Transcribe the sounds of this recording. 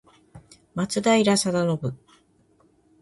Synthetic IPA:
mat͡sɨd̪aiɾasad̪ano̞bɯ̟

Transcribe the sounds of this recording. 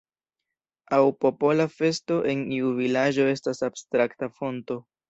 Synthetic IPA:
awpo̞po̞lafe̞sto̞ʔe̞niuvilad͡ʒo̞e̞stasab̥stɾaktafo̞nto̞

